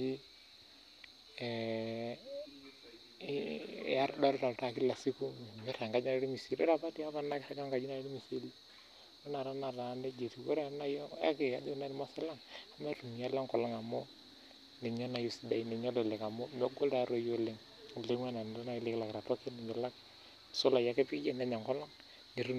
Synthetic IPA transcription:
i˦˨ | a˦ɾda˦lta˨lta˨ki˦la˨si˦ku˦m˨mɛ˦ɾa˨ŋka˦d͡ʒi˦a˦ɛ˦ɾi˦mi˨si˨lɛ̰˦ɾa˨pa˦ti˦a˦pa˦na˦kta˦ɡa˦ŋka˨d͡ʒi˦na˨e˦ɾi˦mi˨si˦li˦ | ɔ˦na˨ɾa˦na˨ɾa˨˦ne˦d͡ʒe˨ti˨wo˦ɾa˦na˦ja̰˦ke˨a˦do˦na˦ɾmɔ˦sɛ˦la˦ŋa˨ma˦tu˨mi˨ja˦la˦ŋkɔ˨lɔ˦ŋa˨mɔ˦ | ne˨ɲɔ˦na˨jo˦si˨da˨i˦nɛ˨ɲɔ˦lɛ˨lɛ˨ka˨mɔ˦mɔ˦ɡo˦lta˨ɾo˦jo˦le˦ŋ˨ | le˦ŋa˦na˨n˨ɾa˦na˨i˦le˦kla˨kɾa˨tɔ˦ke˦nɛ˨ɲɔ˨la˦k̚ | so˦la˨ja˦ke˦pi˦d͡ʒɛ˦nɛ˦ɲa˨ŋkɔ˦lɔ˦ŋ | ni˨ɾu˦

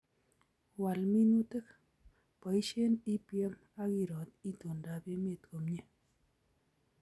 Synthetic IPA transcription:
wa˨lmi˦nu˦te˦k | pɔ˨i˦ʃe˦ni˦pjɛ˦m | a˦ki˦˨ɾɔ˨t̚i˦to˨nda˨pe˦me˦˨tko˨mɲe˦

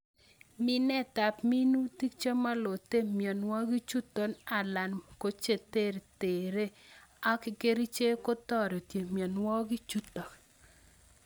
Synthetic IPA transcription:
mi˦nɛ˦ta˨pmi˦nu˦ti˦kt͡ʃo˦ma˦lo˨te˦mjɔ˨nwɔ˦ɡi˦t͡ʃu˦t̪ɔ˨na˨la˨nko˨˦t͡ʃe˦˨t̪e˦˨ɾe˨te˨ɾe˦a˦kɪ˨ke˦ɾi˦t͡ʃe˦ko˦t̪ɔ˦˨ɾɔ˨tje˨mjɔ˨nwɔ˦ɡi˦t͡ʃu˦t̪ɔ˨

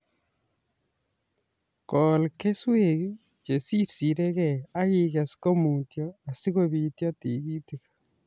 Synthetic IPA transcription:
kɔ˨lke˦swe˨ɡi˦ | t͡ʃe˨si˦si˨ɾe˦kɛ˨a˦ɣi˦ka˨sko˦mu˨tjɔ˦a˨si˦ko˨bi˨tjɔ˦ti˨ɡi˦ti˨kḁ

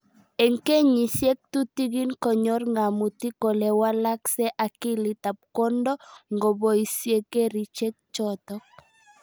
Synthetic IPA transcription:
e˨ŋke˦ɲi˨sje˦k̚tu˦ti˦ɡi˦nkɔ˨ɲɔ˦rŋa˨mu˨ti˦ko˨lɛ˨wa˦la˦ksɛ˦ʔa˨ki˦li˨t̪a˨p̚kɔ˦ndɔ˦ŋɡo˨bo˨i˨sje˦ke˦ɾi˨t͡ʃe˦k̚t͡ʃɔtɔk̚

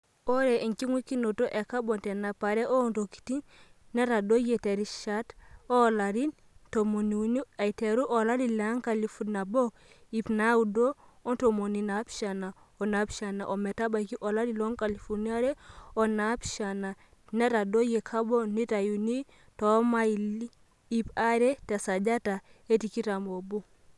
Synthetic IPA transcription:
o˦ɾe˨i˨ŋki˦ŋwi˦ki˦no˨to˦ʔe˨ka˦bo˨nte˨na˨pa˨ɾe˦ʔo˦nto˨ki̥˨ti˦nːe˦ta˨do˦je˨te˨ɾi˦ʃa˦to˦˨la˨ɾi˦n | to˨mo˨ni˨˦ni˦a˨i˨te˨ɾu˦ʔo˨la˦di˨la˨˦ŋka˨li˨fu˨tna˨bo˦ | i˨pna˦u˨do˦o˦to˨mo˨ni˨na˨˦pʃa˨na˨ | o˨na˦pʃa˨na̰˨ʔo˨me˨ta˦ba˨ki˦ʔo˨la˦di˨lo˦ŋka˨li˨fo˨ɾni˦a˦ɾe˦o˨na˦pʃa˨na˨ | ne˦ta˨do˦je˨kʰa˦bo˦ni˦ta˨ju˨ni˦ | to˨˦ma˦ili˦ | i˨pa˦ɾe˦ta˨sa˨d͡ʒa˦ta˨e˦ti˨ki˦ta˨mo˨bu˦

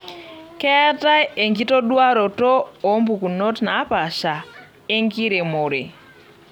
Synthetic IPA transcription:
kɛ˦a˦ta˦e˨ŋɡi˦tɔ˦ɗwa˦ɾɔ˨tɔː˦˨˦mbu˨ku˨nɔ˦tna˨˦pa˨ʃa˨ | e˦ŋɡi˦ɾe˨mo˨ɾe˨

